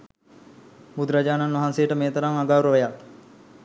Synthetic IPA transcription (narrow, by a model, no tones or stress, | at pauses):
bud̪ɾad͡ʒaːnanʋɐɦansejəʈəmeːt̪ɐɾaŋaɡaːwɾəʋɐjak